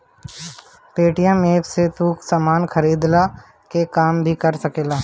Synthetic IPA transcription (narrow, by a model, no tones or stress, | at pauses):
peːʈijãmeːpset̪uːksaːmaːnxʰəɾiːd̪la | kekaːmbʱikɐɾsɐkeːlaː